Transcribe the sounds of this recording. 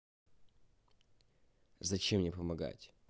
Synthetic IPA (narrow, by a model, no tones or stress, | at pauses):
zɐt͡ɕemnʲɪpəmɐɡa̰tʲ